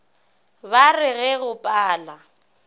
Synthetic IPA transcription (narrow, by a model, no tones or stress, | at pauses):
barɪɣɛɣʊpʼaːla